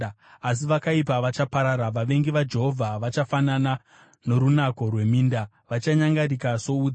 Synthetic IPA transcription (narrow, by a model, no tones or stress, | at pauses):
as̬iʋakaipaʋat͡ʃapaɾaɾaʋaʋe̞ŋɡiʋad͡ʒe̞ɦo̞vʱaʋat͡ʃafanana | no̞ɾunako̞rwe̞miːnda | ʋat͡ʃaɲaŋɡarikaso̞ud͡z